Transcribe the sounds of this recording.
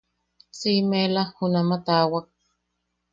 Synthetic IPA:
t͡siːmelahunamat̪aːwak̚

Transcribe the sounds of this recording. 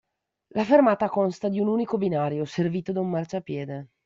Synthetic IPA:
lafermaːt̪akonst̪ad̪iunuːnikobinaːɾjoserviːt̪od̪aumːart͡ʃoapːjɛːd̪e

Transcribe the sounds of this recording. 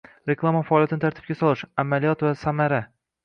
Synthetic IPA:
ɾekʰlˠamafaːlijat̪ʰɪnɪt̪ʰaɾt̪ʰɪ̥b̚kʲasɒlˠɪʃamalijɒt̪vasamaɾa

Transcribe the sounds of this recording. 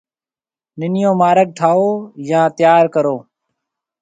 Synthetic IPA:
nɪnɪjõːmaːɾəɡ̚ʈʰaːoːjãːt̪ɪjaːɾkəɾoː

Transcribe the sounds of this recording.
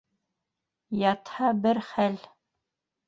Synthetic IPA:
jɑt̪hɑbɘɾχæl

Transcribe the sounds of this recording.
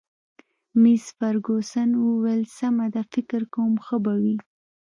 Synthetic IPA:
misfaɾɡosanwuwelsamad̪afɪkɪɾkowmxəbawi

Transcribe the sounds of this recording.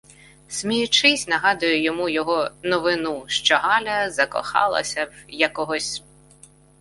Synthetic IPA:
smʲijʊt͡ʃɪsʲnɐɦɑd̪ʊjʊjɔmujɔɦɔnɔʋɪnuʃt͡ʃɔɦɑlʲɐzɐkɔ̰xɑ̰lˠɐ̰sʲɐjɐkɔɦɔsʲ

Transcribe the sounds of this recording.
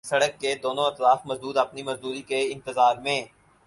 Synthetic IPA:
sɐɽəkːed̪oːnõɪt̪laːfmɐzd̪uːd̪ɐpnimɐzd̪uːɾikeɪ̃nt̪əzaːɾmẽː

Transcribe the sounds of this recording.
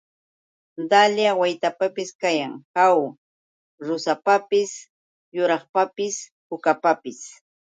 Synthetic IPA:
d̪aljawajt̪apapɪskajaŋhaw | ɾʊsapapɪs | jʊɾɑχpapɪshʊkapapɪs

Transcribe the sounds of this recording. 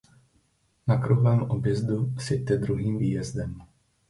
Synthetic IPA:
nakɾuɦlɛːmobjɛzd̪usjɛt̪ɛd̪ɾuɦiːmviːjɛzd̪ɛm

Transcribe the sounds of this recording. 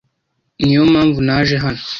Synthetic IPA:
niomaɱvunaʒeɦano

